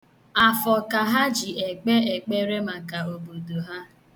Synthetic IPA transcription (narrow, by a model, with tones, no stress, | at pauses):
a˨fɔ˨ka˨ɦa˦d͡ʒi˨e˨k͡pe˦e˨k͡pe˦ɾe˦ma˨ka˨o˨bo˨do˨ɦa˦